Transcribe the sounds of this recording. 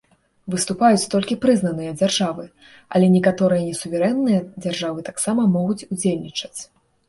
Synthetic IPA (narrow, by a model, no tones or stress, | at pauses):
vɨst̪upajut͡sʲt̪ɔlʲkʲipɾɨznɐnɨjɐd͡zʲarʐavɨ | ɐ̰lʲɛnʲɛkat̪ɔɾɨjɐnʲɛsuvʲɛɾɛnːɨjɐd͡zʲarʐavɨt̪aksamɐmɔɣut͡sʲud͡zʲelʲnʲit͡ʂɐ̥t͡sʲ